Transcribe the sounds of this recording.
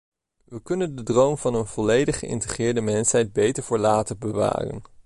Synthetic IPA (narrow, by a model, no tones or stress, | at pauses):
ʋəkɵnəndədrowmvɑnənv̥ɔlejdəχəɪ̰ntəχɪːɹdəmɛnsɦɛjd̚bejtəɹvəːɹlaːtəbəʋa̰ːrə̰n